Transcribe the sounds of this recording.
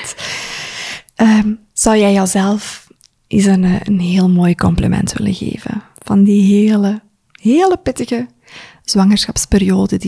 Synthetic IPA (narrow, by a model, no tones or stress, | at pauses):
t | ʔəː | z̥ɑwjɛjɑwzɛlˠf | ʔisənːənɦeːlˠmoːjkɔmplimɛ̰ntʋɪ̰lə̰ɣḛːvə̰n | v̥ɑndiɦeːlə | ɦeːləpɪtəɣə | z̥wɑŋərsxɑpsperijoːdədi